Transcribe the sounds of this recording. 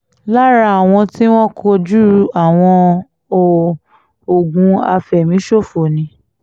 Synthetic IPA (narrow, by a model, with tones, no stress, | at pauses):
la˦ɾa˦˨a˨w̃ɔ̃˧ti˦w̃ɔ̃˦kʰo˧d͡ʒu˦ɾu˧ʔa˨w̃ɔ̃˧ | o˦ | o˨ɡũ˨˦a̰˧fɛ˨mĩ˨˦ʃo˦˨fo˨nĩ˨˦